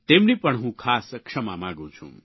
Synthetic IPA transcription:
t̪eːmnipɐɳɦũːkʰaːskʂʰɐmaːmãːɡũːt͡ʃʰṵ̃m

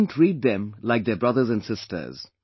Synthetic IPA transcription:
ntʰɹid̪̚ðɛ̃mlaɪk̚d̪ɛbɹʌðə˞zæ̃nsɪstʰə̰˞z̥

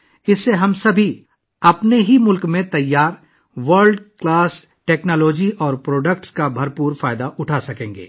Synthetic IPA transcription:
ɪsːeɦɐmsɐbʱi | ɐpneɦimʊlkmẽt̪ɐjːaːɾ | ʋɐɾɖklaːs | ʈeːknaːlɔːd͡ʒiʔɔːɾpɾoːɖək̚ʈskabʱɐɾpuːɾfaːɪd̪aʔʊʈʰasɐkẽːŋɡḛː

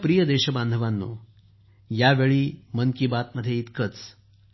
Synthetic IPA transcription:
pɾijəd̪eɕəband̪ʱəʋanːṵː | jaʋeɭiːmənkibat̪məd̪ʱjeit̪kət͡s

